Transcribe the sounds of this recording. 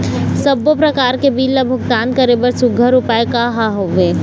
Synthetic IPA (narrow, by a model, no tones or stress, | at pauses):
sɐbopɾɐkaːɾkebiːlːəbʱʊɡt̪aːnkɐɾebəɾsʊɡʱəɾʊpaːekaɦaɦoʋeː